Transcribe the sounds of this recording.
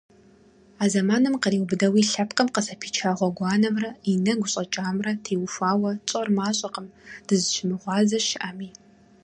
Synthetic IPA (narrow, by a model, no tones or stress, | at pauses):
aːzɐmaːnɨmqəriːwbɨdɐwiːɬɐpqəmqəsɐpʰiːt͡ʃʰaːʁʷɔɡʷɑːnɐmrɐinɐɡʷʊɕʼɐt͡ʃʼaːmrɐtʰeːwʊfʷaːwɐt͡sʼɐrmaːɕʼɐqəmd̥ɨzɨʃɪmɨʁʷɑːzɐʃɪʔɐmiː